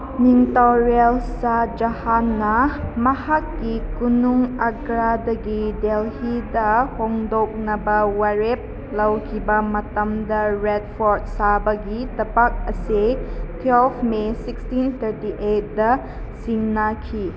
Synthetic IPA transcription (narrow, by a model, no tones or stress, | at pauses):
niŋtaɾialsad͡ʒɐhanːɐmɐhakːikunuŋɐɡɾadɐɡidelhidɐhoŋdok̚nɐbɐwaɾep̚ | lɐwkʰibɐmɐtɐmdɐɾed̚pʰoɾt̚sabɐɡitɐpak̚ɐsetʰwelpʰmesikstint̪ʰəɾtiʔet̚dɐ | siŋnakʰi